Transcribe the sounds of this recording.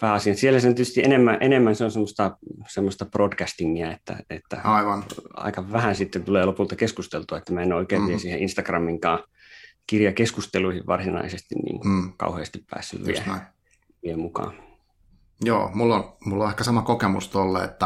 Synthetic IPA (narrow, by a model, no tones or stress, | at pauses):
pæːɑsiɑnsielːæsent̪ist̪iʔenemːæʔenemːænseonsemːost̪ɑsemːost̪ɑprodkæst̪iŋːiæet̪ːæ̰et̪ːæ̰ɑiʋɑnɑ̰ikɑʋæhænsit̪ːent̪uleːlopult̪ɑkeskust̪elt̪uɑet̪ːæmæenoikeːʋʋiesiːhḛʔinst̪ɑkrɑmːiŋkɑː | kirjɑkeskust̪eluihiʋʋɑrsinɑ̰isest̪ḭnnḭːŋkukɑ̰uheːst̪ippæ̰ːsːy̰ʋʋḭḛ | ʋiemukɑ̰ː | jo̰ːmulːonmulːoehkæsɑmɑkokemṵst̪olːeet̪ːæ